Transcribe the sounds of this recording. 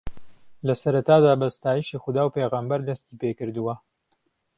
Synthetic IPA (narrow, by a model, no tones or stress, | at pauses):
lɐsɐɾɐt̪aːd̪aːbɐst̪aːjiʃiːxʊd̪aːwpeːɣɐmbɐɾd̪ɐst̪iːpekɨɾd̪uwɐ